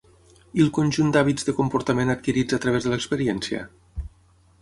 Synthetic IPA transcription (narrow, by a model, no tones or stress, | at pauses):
ilˠkonʲʒund̪aβizðəkumpuɾt̪əmenat̪̚kiɾid͡zət̪ɾəβ̞ezðələkspəɾiɛnsjə̰